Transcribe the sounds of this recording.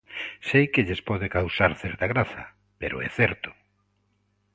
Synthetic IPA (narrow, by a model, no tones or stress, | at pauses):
sejkɪʎespɔðɪkawsaɾθɛɾt̪aɣɾaθɐ̰ | peɾo̰ɛ̰θɛɾt̪ʊ̥